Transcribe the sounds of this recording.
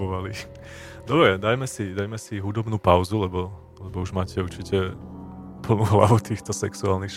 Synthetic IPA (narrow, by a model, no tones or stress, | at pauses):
ɔʋali | d̪ɔbɾɛd̪ajmɛsid̪ajmɛsiɦud̪ɔbnuːpaʊzulɛbɔ | lɛbɔuʒmaːcɛuɾt͡ʃicɛ | pl̩ˠnuːɦla̰ʋut̪iːxt̪ɔsɛksuaːlnixʃ